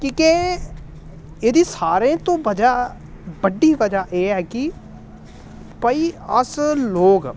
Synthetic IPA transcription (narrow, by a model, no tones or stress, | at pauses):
kĩːkeː | eːd̪iːsaːɾẽːt̪õːʋəd͡ʒaː | bəɖːiːʋəd͡ʒaːʔeːɛːki | pəiːəsloːɡ